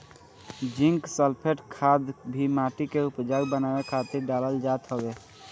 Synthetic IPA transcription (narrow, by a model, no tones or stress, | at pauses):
d͡ʒĩŋksəlpʰeʈkʰad̪bʱimaʈikeupd͡ʒaɡbənawekʰat̪iɾɖaləld͡ʒat̪ɦəbe